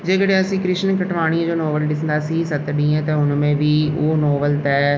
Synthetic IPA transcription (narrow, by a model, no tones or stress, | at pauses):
d͡ʒeːkəɽeːəsĩːkɾɪʃnkəʈʋaːɽ̃iãːd͡ʒoːnoːbəlɖɪsnd̪aːsiːsət̪d̪iːɛ̃ːt̪ẽːʊnmẽːʋiːoːnoːbəlt̪ɛː